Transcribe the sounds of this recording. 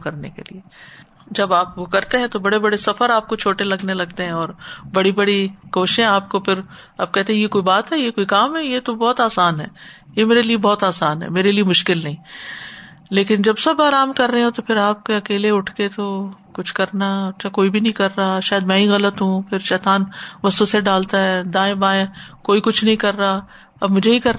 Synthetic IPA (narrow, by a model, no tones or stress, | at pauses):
kɐɾnḛkḛlḭe | d͡ʒɐbaːpʋokɐɾt̪eɦɛ̃t̪obɐɽebɐɽesɐfəɾaːp̚kot͡ʃʰoːʈelɐɡnelɐɡt̪eɦɛ̃ɔːɾbɐɽibɐɽikoːʃɪʃẽɦaːp̚kopʰɪɾ | aːb̚kɛɦt̪eɦɛ̃jekoːibaːt̪ɦɛjekoːikaːmɦɛjet̪obɔːt̪aːsaːnɦɛː | jemeːɾeliebɔːt̪aːsaːnɦɛ̰meːɾeliemʊʃkɪlnɐɦĩ | leːkɪnd͡ʒɐbsɐbaːɾaːmkɐɾːəɦẽɦẽt̪opʰɪɾaːp̚keɐkeːleʊʈʰket̪okʊt͡ʃʰkɐɾnaɐtːʃʰakoːibʱinɐɦĩkɐɾːaaʃaːjəd̪mɛ̃ːɦĩɣɐlət̪ɦũpʰɪɾʃɛːt̪aːnʋɐsoseɖaːlt̪aɦɛːd̪ãːẽbãːẽkoːikʊt͡ʃʰnɐɦĩkɐɾːaː | ɐbmʊd͡ʒʱeɦikɐɾ